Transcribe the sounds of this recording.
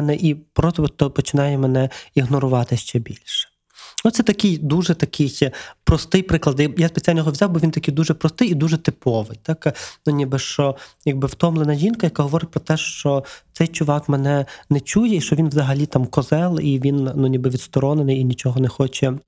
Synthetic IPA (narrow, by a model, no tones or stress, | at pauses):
nɛʔipɾɔst̪ɔt̪ːɔpɔt͡ʃɪnɑjɛmɛnɛiɦnɔɾʊʋɑt̪ɪʃt͡ʃɛbʲilʲʃɛ̥ | ɔt̪t̪sɛt̪ɐkɪjd̪uʒɛt̪ɐkʰɪjpɾɔst̪ɪjpɾɪklˠɐd̪jajaspet͡sʲalʲnɔɦɔʋʲzʲɑwbɔʋʲint̪ɐkɪjd̪uʒɛpɾɔst̪ɪjid̪uʒɛt̪ɪpɔʋɪjt̪ɑknunʲibɪʃt͡ʃɔjɐɡ̚bɪwt̪ɔmlˠenɐʒʲinkɐjɐkaɦɔʋɔɾɪt̚ʲpɾɔt̪ɛʃt͡ʃɔt̪ɛjt͡ʃʊʋɑkmɛnɛnɛt͡ʃujɛiʃt͡ʃɔʋʲinʋzɐɦɐlʲit̪ɑmkɔzɛlˠiʋʲinnunʲibɪʋʲid̪st̪ɔɾɔnenɪjinʲit͡ʃɔɦɔnɛxɔt͡ʃɛ